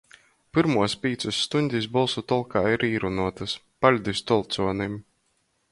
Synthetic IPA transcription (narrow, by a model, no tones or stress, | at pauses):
pɨɾmuɔspʲiːt̪susːt̪unʲd̪ʲisbɔlˠsut̪ɔlˠkaːiɾiːɾunuɔt̪ɨs | palʲd̪ist̪ɔlˠt̪suɔnim